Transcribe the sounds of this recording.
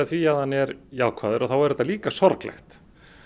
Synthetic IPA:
θviaðhanːɛɾjaːwkʰvaːðʏɾʔɔθawɛɾɛt̪ːaliːkasɔɾklɛ̰xt̪

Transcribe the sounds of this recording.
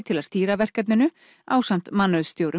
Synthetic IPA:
t̪ʰɪlaðst̪iːɾavɛr̥kat̪nɪnʏ | aːwsam̥t̪manːœðst̪jowɾʏ

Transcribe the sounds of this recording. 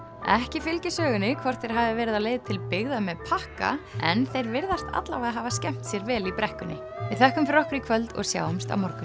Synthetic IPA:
ɛhcɪfɪlcɪsœːɣʏnːɪkʰvɔr̥t̪θejɾ̥ɦaːvɪvɛːɾɪðawleːjðt̪ʰɪlpɪɣðamɛðpʰahka̰ɛnθejɾvɪɾðast̪ʰa̰t̪la̰vaðɦaːvascɛm̥t̪sjɛɾvɛːlipɾɛhkʏnːɪ̰ | vɪðθɛhkʏmfɾɔhpɾikʰvœlt̪ɔ̰ɣsja̰ːwʏmst̪a̰wmɔɾkʏ

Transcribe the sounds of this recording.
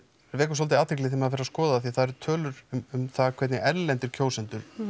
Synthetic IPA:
ɾvɛːkʏs̬ɔlt̪ɪaːt̪ʰejklɪθɛːmafɪɾaskɔːðaaθiθaðɛɾt̪ʰœːlʏɾʏmʏmθakʰvɛt̪nɪʔɛɾlɛnt̪ʏɾ̥cʰoːwsɛnt̪ʏɾ̥

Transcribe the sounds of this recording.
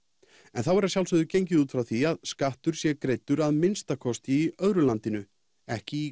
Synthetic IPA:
ɛnθawɛɾasjawlsœðʏcejɲcɪðuːt̪fɾawθiaðskaht̪ʏɾ̥sjɛkɾejt̪ːʏɾaðmɪnst̪akʰɔst̪ɪːœðɾʏlant̪ɪnʏ | ɛhcɪi

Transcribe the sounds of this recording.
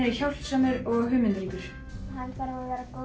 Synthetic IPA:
ɪçawl̥t̪sœːmʏɾɔɣɦʏːmɪnt̪ɾiːk̪ɪɾ̥ | hanfaɾvaðvɛːɾako

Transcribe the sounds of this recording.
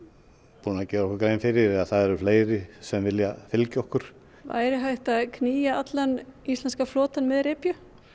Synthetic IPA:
puːnaðcɛːɾɔkaɾkɾeːjnfɪɾɪɾɛðaθaðɛɾʏfleːjɾɪsɛmvɪljafɪlcɪɔhkʏɾ̥ | va̰jɾɪɦajht̪aðkʰniːjaat̪lanist̪lɛnskaflɔːt̪anmɛðɾɪːpjʏ

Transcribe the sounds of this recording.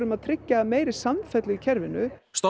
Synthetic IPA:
ɾʏmaðt̪ʰɾɪcːameːjɾɪ̥samfɛt̪lɪicʰɛɾvɪnʏst̪o

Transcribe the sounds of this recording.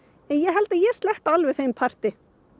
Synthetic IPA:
ɛnjɛɦɛlt̪ajɛ̥st̪lɛht̪alvɛθejmpʰar̥t̪ɪ

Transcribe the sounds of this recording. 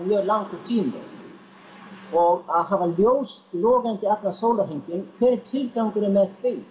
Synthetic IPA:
mjœːɾlawŋkʏt̪ʰiːmɪ̰ | ɔɣaðɦavaljoːwst̪lɔːɣajnt̪ɪɛpnasoːwlaɦejɲcɪnkʰvɪːɾɪɾ̥t̪ʰɪlkawŋkʏnɪmɛðθve

